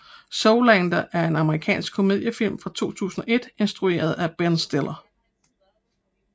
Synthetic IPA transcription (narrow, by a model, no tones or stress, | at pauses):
soʊlænd̥ɐʔæɐe̝nɑ̈məʁikʰɛ̰ːnsɡ̥̚kʰo̝me̝ð̰ˠjəfil̰mfʁɑ̈t͡sʰo̝̰ːt͡sʰṵːsn̩ɒ̽ʔe̝d̥e̝nsd̥ʁue̝̰ːɐð̞ˠæb̥ensd̥elˠɐ